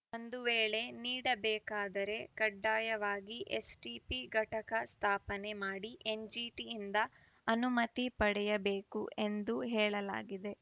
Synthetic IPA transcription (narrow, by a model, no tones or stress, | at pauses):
o̞nd̪uʋeːɭe̞niːɽɐbɛːkaːd̪ɐɾe̞kɐɖːaːjɐʋaːɡiʔḛsʈipiɡʱɐʈɐkɐst̪ʰaːpɐne̞maːɽiʔe̞nd͡ʒiːʈiːnd̪ɐ | ɐnumɐt̪ipɐɽɛjɐbe̞ːkuʔe̞nd̪uɦɛːɭɐla̰ːɡid̪e̞